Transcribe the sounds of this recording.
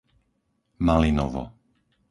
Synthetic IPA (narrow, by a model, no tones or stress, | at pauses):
malinɔʋɔ̰